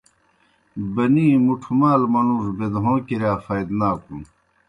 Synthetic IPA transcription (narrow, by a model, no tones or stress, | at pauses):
bɐniːmuʈʰumaːlmɐnuːʂbed̪ɦõːkiɾaːfɐjd̪naːkun